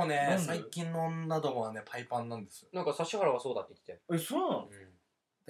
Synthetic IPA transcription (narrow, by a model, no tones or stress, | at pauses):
nẽ̞saikʲĩnːõnːad̪o̞moβane̞pʰaipãnːãnd̪e̞sɨjonãŋkasaɕːiɦaɾaβasoːd̪at̪ːeik̪ʲi̥t̪eesoːnãn